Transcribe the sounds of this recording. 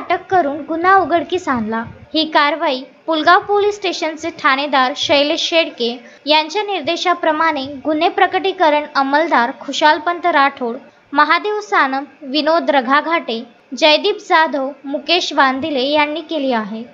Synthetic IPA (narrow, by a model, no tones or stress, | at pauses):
aʈəkːəɾuːnɡunauɡəɽkiːsãnlahiːkaɾʋaiːpulɡaʋpolisʈeɕənt͡seʈʰañed̪aɾɕəjleɕeɽke | jaɲt͡ɕjaniɾd̪eɕapɾəmaɽ̃eɡunepɾəkəʈikəɾəɳəməld̪aɾkʰuɕalpənt̪əɾaʈʰoɽ | məɦad̪eʋsanəmʋinod̪ɾəɡʱaɡʱaʈe | d͡ʑəjd̪iːpd͡zad̪ʱowmukeɕʋand̪ilejanːiːkeliːaɦe